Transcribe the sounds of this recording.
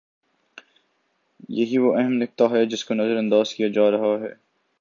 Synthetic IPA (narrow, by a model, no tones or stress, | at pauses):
jɐɦiʋoʔɛɦɛmlɪk̚t̪aɦɛd͡ʒɪskonɐzəɾɐ̃nd̪aːz̥kijad͡ʒaːɾɐɦaɦɛ̰ː